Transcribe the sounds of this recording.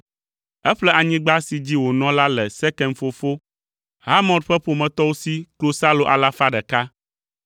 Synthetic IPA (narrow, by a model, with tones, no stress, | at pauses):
ɛ˦ɸlɛ˦ʔa˨ɲĩ˦ɡ͡ba˦si˨d͡ʑi˦wo˨nɔ̃˦la˦lɛ˨sɛ˦kɛ˨nfo˦˨fo˦ | ha˦mɔ̃˨dɸɛ˦ɸo˨mɛ̃˨t̪ɔ˦wo˦si˦klo˦sa˦lo˨ʔa̰˨la˦fa˦ɖɛ˨ka˦